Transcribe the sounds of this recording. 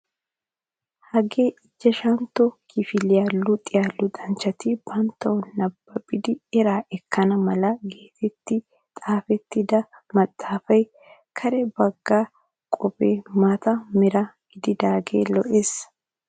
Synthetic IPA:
hɐɡeːʔɪd͡ʒːɛʃɐnt̪ːɔkʰɪfɪlɪjaːlːʊt̪ʼɪjaːlːʊd̪ʼɐnt͡ʃːɐt̪ɪb̥ɐnt̪ːɐwnɐbːɐpʼːɪd̪ɪɛɾaːʔɛkːɐnɐmɐlɐɡeːt̪ʰɛt̪ːɪ | t̪ʼaːfɛt̪ːɪd̪ɐ | mɐt̪ʼːaːfɐj | kʰɐɾɛbɐɡːaː | kʼɔbeːmaːt̪ɐmɛɾɐɡ̥ɪd̪ɪd̪aːɡe̞̰ːlɔʔeːs

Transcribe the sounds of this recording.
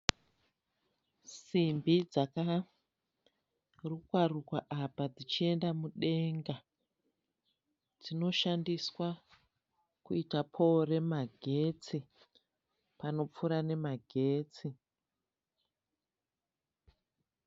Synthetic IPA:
simbid͡zaka | rukwarukwaʔapad͡zit͡ʃie̞ndamuɗe̞ŋɡa | d͡zino̞ʃandiswa | kuitapʰo̞ɾe̞maɡʱe̞t͡si | pano̞p͡fuɾane̞maɡʱe̞ːt͡si

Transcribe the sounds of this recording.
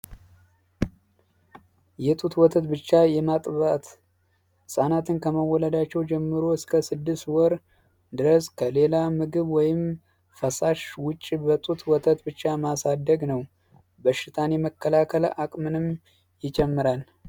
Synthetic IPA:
jɛt̪ʼut̪wɔt̪ʰət̪bɨt͡ʃːajɛmat̪ʼβat̪ | sʼanat̪ʰɨnkʰəməwːɔləd̪at͡ʃːɛwd͡ʒɛmːɨɾoɨskʰəsɨd̪ːɨst̪wɔɾ | d̪ɨɾəskʰəle̞lamɨɡɨβwɔjɪm | fəsaʃwʊt͡ʃʼːibət̪ʼut̪ʰwɔt̪ʰət̪bɨt͡ʃːamasad̪ːəɡnəw | bəʃːɪt̪ʰaneməkʰːəlakʰəlʔakʼmɨnɨm | jɪt͡ʃʼɛmːɨɾal

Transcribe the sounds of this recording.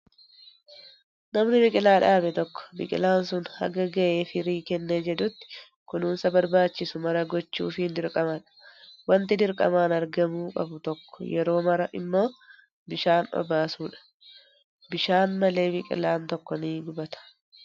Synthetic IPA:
nɐmnɪbɪkʼɪlaːᶑaːbɛt̪ɔkːɔ̥bɪ̰kʼɪ̰laːnsʊnhɐ̰ɡɐɡɐʔe̞ːfɪɾiːkɛnːɛnd͡ʒɛᶑʊt̪ːɪ̥ | kʊnuːnsɐbɐɾbaːt͡ʃːɪsʊmɐɾɐɡɔt͡ʃːṵːfɪhɪnd̪ɪɾkʼɐmɐᶑɐ̥wɐnt̪ɪd̪ɪɾkʼɐ̰maːnɐɾɡɐmuːkʼɐ̰bʊt̪ɔkːɔ̥jɛɾo̞ːmɐɾɐʔɪ̰mːo̞ː | bɪʃaːnɔ̰baːsuːᶑɐ̥ | bɪʃaːnmɐle̞ːbɪkʼɪ̰laːnt̪ɔkːɔniːd̪ʊbɐt̪ɐ̥

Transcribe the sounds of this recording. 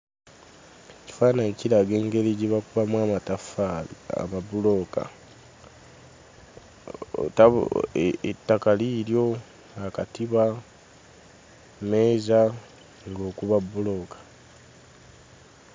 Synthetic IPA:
eci̥faːnaeciɾaɡe̞ːŋɡe̞liɟiβakuβamwaːmatafaa̰mabulo̞ka̰ | a | etːakaliːɾjo̞ | akatiβa | me̞ːza | ŋɡo̞ːkuβabːulo̞kḁ

